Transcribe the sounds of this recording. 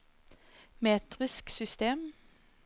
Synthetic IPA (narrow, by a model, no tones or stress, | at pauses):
meːt̪ʁɪsksʏst̪eːm